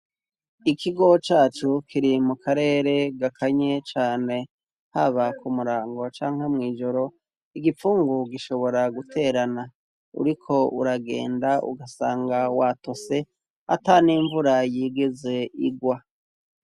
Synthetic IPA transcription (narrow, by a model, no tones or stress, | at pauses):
ikʰiɡo̞t͡ʃaːt͡ʃukʰiɾimukʰaɾe̞ːɾe̞ɡakʰaɲe̞t͡ʃaːne̞ | haβakumuɾaːŋɡo̞t͡ʃaːŋ̥hemŋiːʒo̞ɾo̞ | iɡifuːŋɡuɡiʃo̞βo̞ɾaɡutʰe̞ːɾana | ṵɾikʰo̞ʔṵɾaɡe̞̰ːndaʔṵɡasaːŋɡawato̞se̞ | a̰taniːɱvuɾajiːɡeze̞ʔiɡwa